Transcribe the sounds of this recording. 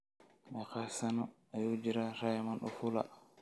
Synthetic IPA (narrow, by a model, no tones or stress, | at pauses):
mɛkasanɔ | ajud͡ʒiɾaɾajamanɗɔ̰fula̰